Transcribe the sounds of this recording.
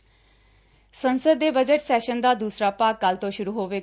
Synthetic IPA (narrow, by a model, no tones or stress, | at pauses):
sənsəd̪ːeːbəd͡ʒəʈsɛːʃənd̪aːd̪uːsɾaːpaːkːəlt̪õːʃʊɾuːɦoːʋeː